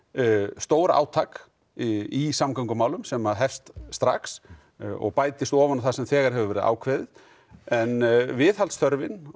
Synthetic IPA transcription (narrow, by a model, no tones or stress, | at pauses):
st̪oːwɾa̰ːwt̪ʰak | isamkʰawŋkʏmaːwlʏmsɛmaðɦɛfst̪st̪ɾa̰ks | ɔ̰ɣpaːjt̪ɪst̪ɔːvanaθasɛmθɛːɣaɾ̥hɛvʏvɛːɾɪða̰ːwkʰvɛːðɪð | ɛnvɪðhalsθœɾvɪn